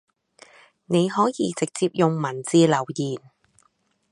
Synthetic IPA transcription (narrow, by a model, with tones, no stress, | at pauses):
ne˨˧jɦɔː˨˥jiː˧t͡sɪ˨k̚t͡siː˧p̚jʊ˨ŋmɐ˨˩nt͡siː˧lɐ˨˩wjiː˨˩n